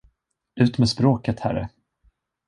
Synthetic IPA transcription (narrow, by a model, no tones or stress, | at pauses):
ʉ̟ːt̪mɛːspɾoːkət̪hæ̰ɾːə̰